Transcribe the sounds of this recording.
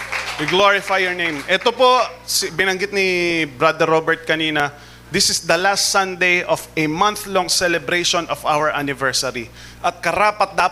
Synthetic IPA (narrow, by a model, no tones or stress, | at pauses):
ɪɡloɹɪfajːɔɹnẽjmʔɛt̪opo̞sbɪnɐŋɡɪt̪̚nɪbɾad̪ɛɾːobɛɹt̪̚kɐniːnɐ | d̪ɪsɪsd̪ɐlast̪sɐ̃nd̪ejʔɔvɛmɐnθlɔŋsɛlɛbɾejʃonʔɔfawɛɹʔanɪvɛɹsɐɾi | ʔɐt̪̚kɐɾaːpɐt̪̚d̪aː